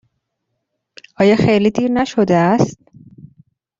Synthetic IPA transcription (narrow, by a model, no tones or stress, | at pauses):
ɒːjɒːxejliːd̪iːɾnæʃod̪eæst̪̚